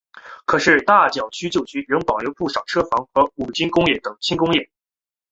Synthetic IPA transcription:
kʰɤ˨˩ʂɻ̩˥˧t̪a˥˩t͡ɕjɑ˨˩ʊt͡ɕʰy˥t͡ɕjo˥˩ʊt͡ɕʰy˥ɻə˧˥ŋpɑ˨˩ʊljo˧˥ʊpu˥˩ʂɑ˨˩ʊʈ͡ʂʰɤ˥fɑ˧˥ŋxɤ˧˥u˨˩t͡ɕi˥nkʊ˥ŋjɛ˥˩t̪ɤ˨˩˦ŋt͡ɕʰi˥nkʊ˥ŋjɛ˥˩

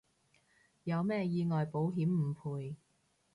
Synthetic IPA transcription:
jɐ˨˧wmɛː˥jiː˧ŋɔː˨jpo˨˥wɦiː˨˥mm̩˨˩pʰuː˨˧j

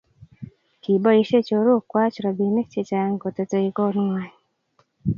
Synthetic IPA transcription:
ki˨bɔ˦i˦ʃe˦t͡ʃo˨ɾo˦˨kwa˦t͡ʃɾɔ˨bi˨nɪ˦k̚t͡ʃe˦˨t͡ʃa˨˦ŋɡo˨to˨to˨i˨ko˦n˦ŋwa˨ɲ

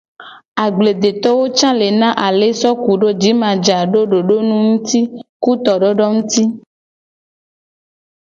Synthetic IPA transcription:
a˨ɡ͡ble˨d̪e˨t̪ɔ˦wo˦t͡ʃã˦le˨nã˦ʔa˨le˨sɔ˦ku˨ɖo˦d͡ʒi˨˦mã˨d͡ʒa˨ɖo˦ɖo˨ɖo˦nũ˦ŋũ˦t̪i˦ku˦t̪ɔ˨ɖɔ˦ɖɔ˦ŋũ˦t̪i˦

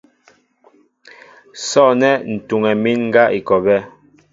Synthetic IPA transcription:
sɔ˦˨nɛ˦n̩˨tu˨ŋɛ˨mi˦nŋ̩˦ɡa˦ʔi˨kɔ˨bɛ˦

